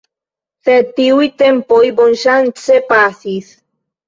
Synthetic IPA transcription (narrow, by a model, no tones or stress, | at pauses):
θet̪iwit̪empojbonʃant͡sepaθiθ